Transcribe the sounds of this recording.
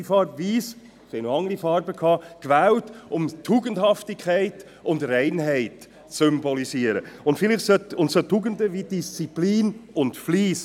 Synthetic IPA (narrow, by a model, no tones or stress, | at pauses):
ifɑːɾbviːs | sɛɪnoɑŋɾifɑːɾbəkʰɑːkvæwtʊmtʰːuːɡəndhɑftɪkʰχæɪt | ʊndrɛɪnɦɛɪt | t͡sʏmbɔlisiːəɾə̰ʊntfɪlɪχsœtʊntsotʰːuːɡəndəʋid̥ist͡sipliːnʊntfliːs